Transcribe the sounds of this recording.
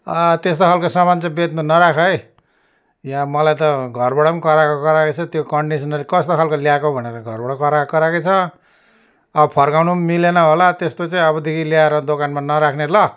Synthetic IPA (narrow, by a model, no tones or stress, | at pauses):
ʌt̪est̪oalkosamant͡sʌ̃bet̪̚munʌɾakʰʌj | jãmʌlajt̪ʌɡʱʌrbʌɽʌmkʌɾakokʌɾaket͡sʰʌt̪jokʌɳɖisʌnʌlikʌst̪okʰalkoljakobʱʌneɾʌɡʱʌrbʌɽʌkʌɾakʌɾakʌt͡sʰʌ | ʌbʌpʰʌrkawnumilenʌɦolat̪est̪ot͡sãĩʌβʌd̪ʱikiljaeɾʌd̪okanmanʌɾakʰnelʌ